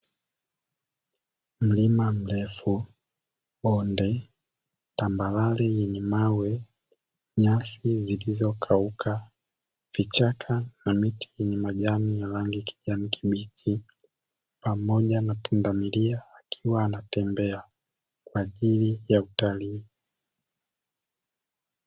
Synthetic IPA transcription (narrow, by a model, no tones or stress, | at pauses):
m̩limam̩lɛfu | ɓɔndɛ | tambalalɛjɛɲɛmawɛ | ɲasizilizɔkʰaukʰa | v̥it͡ʃakʰanamitʰi̥jɛɲɛmaʄamijalaŋɡikʰi̥ʄamikʰiɓikʰi | pamɔʄanatundamiliaːkʰiwaːnatɛmbɛa | kwaːʄilijautaliː